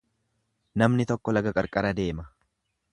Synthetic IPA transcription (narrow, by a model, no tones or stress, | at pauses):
nɐmnɪt̪ɔkːɔlɐɡɐkʼɐɾkʼɐɾɐd̪e̞ːmɐ